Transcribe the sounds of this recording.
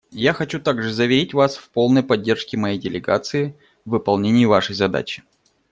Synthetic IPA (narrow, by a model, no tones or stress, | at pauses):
jaxɐt͡ɕut̪aɡʐɨzəvʲɪɾʲitʲvasfpo̞lˠnəjpɐdʲːe̞rʂkʲɪmɐjejdʲɪlʲɪɡa̰t̪sɨɪ | vɨpɐlˠnʲenʲɪjʊvaʂəjzɐd̪a̰t͡ɕɪ̥